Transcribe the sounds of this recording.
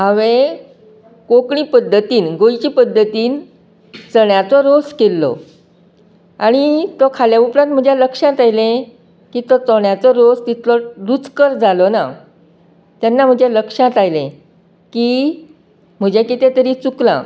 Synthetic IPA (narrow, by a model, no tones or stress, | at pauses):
ɦãʋẽ | kokɳiːpəd̪ʱːət̪iːnɡojt͡ɕiːpəd̪ʱːət̪iːn | t͡səɳjat͡sɔɾoskelːɔ̰ | aɽ̃it̪ɔkʰaljaupɾãt̪̚m̤əd͡ʑʱjaləkʂãt̪ajlẽ | kiːt̪ɔt͡sɔɳjat͡sɔɾost̪it̪ʰlɔɾut͡skəɾd͡zalɔna | t̪janːam̤əd͡ʑʱeləkʂãt̪ajlḛ̃ | ki | m̤əd͡ʑekit̪ẽt̪əɾit͡suklã̰